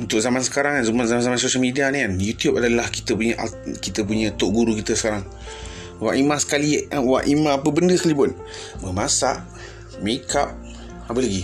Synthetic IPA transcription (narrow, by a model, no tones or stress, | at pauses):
unt̪ʊk̚zamansə̥kaɾaŋanzumanzamanzamans̬oʃəlmidianianjut̪jup̚adalahki̥t̪əpuɲəʔakit̪əp̬uɲə̃t̪oʔɡuɾukit̪əsə̥kaɾaŋ | wa̰ʔimãsə̥kaliwaʔimãːpəbəndəskəlibʊn | bəmasaʔ | mekʰap̚ | apəlaɡi